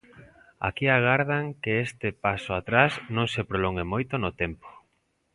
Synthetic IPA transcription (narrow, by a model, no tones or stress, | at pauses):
a̰kiaɣaɾðaŋkeest̪ɪpasoat̪ɾasnõŋsepɾoloŋɡemojt̪onot̪ɛmpo̥